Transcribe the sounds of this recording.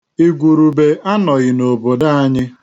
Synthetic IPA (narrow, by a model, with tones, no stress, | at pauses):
i˦ɡʷu˨ɾu˨be˨ʔa˦nɔ˨ɣɪ˨no˨bo˨da˦a˦ɲɪ˦